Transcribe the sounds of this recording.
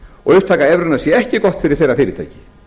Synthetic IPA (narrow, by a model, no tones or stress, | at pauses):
ɔ̰ɣʏht̪ʰaːkaɛvɾʏnasjɛɛhcɪkɔht̪fɪɾɪɾ̥θejɾafɪːɾɪt̪ʰa̰jcɪ̥